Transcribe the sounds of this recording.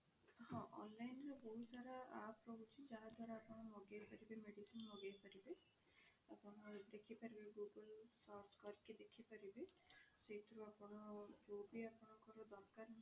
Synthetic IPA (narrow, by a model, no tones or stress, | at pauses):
hɔ̃ʔɔ̰nlajnɾeboɦisaɾaa̰pɾɔbut͡ʃʰid͡ʒaɦad̪ʱaɾaːpɔɳ̃ɔmɔɡejpaɾibemeɽisinmɔɡejpaɾibe | apɔnɔd̪ekʰipaɾibeɡuɡəlsɔɾskɔɾked̪ekʰipaɾibe | sejt̪ɾuapɔɳ̃ɔɡobiapɔɳ̃ɔkɔɾɔd̪ɔɾkaɾ